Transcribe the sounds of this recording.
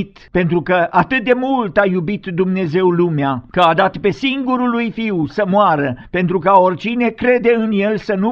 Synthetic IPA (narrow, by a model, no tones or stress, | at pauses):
t̪pe̞nt̪ɾukəʔat̪ɨt̪̚d̪e̞mult̪ajubit̪d̪umne̞ze̞wlumeakəad̪at̪pe̞siŋɡuɾulujfiwsəmoaɾəpe̞nt̪ɾukaorʲt͡ʃine̞kɾe̞d̪e̞ɨnje̞lsənu